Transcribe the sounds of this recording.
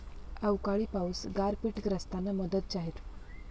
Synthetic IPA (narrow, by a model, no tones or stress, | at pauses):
əwkaɭiːpawsɡaɾpiːʈɡɾəst̪anaməd̪ət̪̚t͡ɕaɦet̪